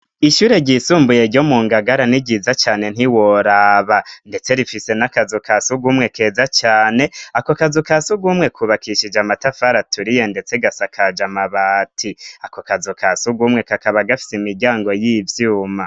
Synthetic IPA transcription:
iʃuɾe̞ɟisuːmbuje̞ɾɟo̞muːŋɡaɡaɾaniɡɟizat͡ʃaːne̞n̥hiwo̞ɾaβande̞t͡se̞ɾifise̞nakazukasuɡumŋe̞ke̞ːzat͡ʃaːne̞ako̞kazukasuɡumŋe̞kʰuβakiʃid͡ʒamatafaɾatuɾije̞nde̞t͡se̞ɡasakʰad͡ʒamaβaːtʰiakokazukʰasuɡumŋe̞kakaβaɡafi̥semiɟaːŋɡo̞jivjuːma

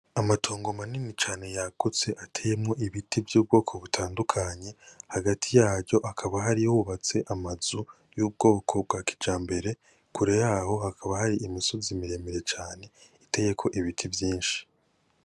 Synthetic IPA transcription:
amatʰoːŋɡo̞maninit͡ʃaːne̞jaɡut͡se̞ʔatʰeːje̞mŋo̞ʔiβitʰivjuːb̚ɡo̞ːkʰo̞βutʰaːndukʰaɲe̞haɡatʰijaːɾɟo̞ʔakʰaβaɦaɾijuβat͡se̞ʔamazu | juːb̚ɡo̞ːkʰo̞b̚ɡaki̥d͡ʒaːmbe̞ɾe̞ | kuɾe̞jaho̞hakʰaβahaɾiʔimisozimiɾe̞meɾe̞t͡ʃaːne̞ite̞je̞kʰo̞ʔiβitʰivjiːnʃi̥

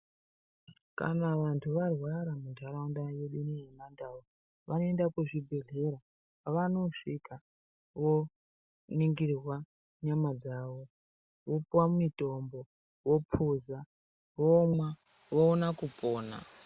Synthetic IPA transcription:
ka̰naʋantʰuʋarwaɾamundʱaɾaundaje̞ɗinijemandawo | ʋano̞endakuʐibʱe̞ɮe̞ɾa | aʋano̞ʂika | ʋo̞ | niŋɡirwa | ɲamad͡zaʋo̞ | ʋopuwamumito̞mbo̞ | ʋo̞pʰuza | ʋomwa | ʋounakupoːna̰

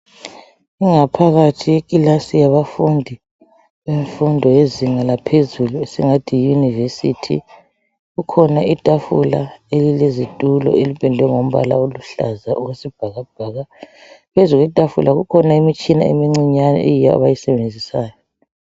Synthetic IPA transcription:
iŋapʰaɣatʰijekʼilasijaβafundʱi | βeɱfundʱɔjeziŋalapʰezuluesiŋatʰijunivesitʰḭ | ɣukʰɔnaitʼafula̰elilezitʼulɔ̰elipʼɛndʱwɛŋom̩βa̰la̰oluɬa̰zaʔuɣwesib̥ʱaɣab̥ʱaːɣapʰezuɣwitʼafṵlʔaɣukʰɔnaimit͡ʃʼina̰ḛmiŋ͡ǀiɲanɔ̰ʔejijaa̰βajisɛβend͡zʱisaːjɔ

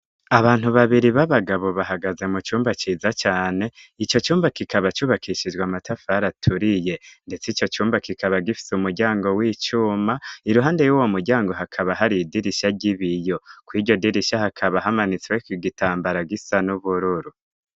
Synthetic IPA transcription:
aβaːn̥huβaβiɾiβaβaɡaβo̞βaɦaɡaze̞mut͡ʃuːmbat͡ʃizat͡ʃaːne̞it͡ʃo̞t͡ʃuːmbakikaβat͡ʃuβakʰiʃid͡ʒɡwamatʰafaɾatʰuɾije̞nde̞t͡sit͡ʃo̞t͡ʃuːmbakikʰaβaɡifi̥sumuɾɟaːŋɡo̞wiːt͡ʃuːmaiɾuɦaːndejuwo̞muɾɟaːŋɡoɦakʰaβaɦaɾidiɾiʃaɟiβijo̞kwiːɟo̞diɾiʃahakʰaβaɦamanit͡swekiɡitaːmbaɾaɡisanuβuɾuɾu

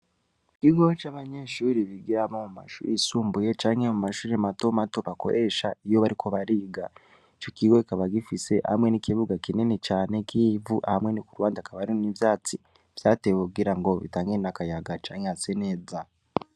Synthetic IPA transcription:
kiɡot͡ʃaːβaɲe̞ːʃuːɾiβiɡiɾamomuma̰ʃṵɾisuːmbuje̞t͡ʃaːŋhemumaʃuːɾemato̞mato̞βako̞̰ɾʔe̞ʃaijo̞βaɾikʰo̞βaɾiɡa | t͡ʃokiɡo̞ikaβaɡifise̞ʔha̰amŋe̞nikiβuɡakinene̞t͡ʃaːnekivuʔahamwe̞nikuɾwaːndakaβaɾinivjaːt͡si | v̥jaːtewuɡiɾaŋɡoβḭtaːŋɡenakajaɡat͡ʃaːŋeasene̞ːza

